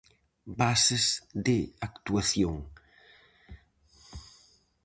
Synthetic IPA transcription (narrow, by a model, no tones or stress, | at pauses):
basezd̪ɪakt̪uaθjoŋ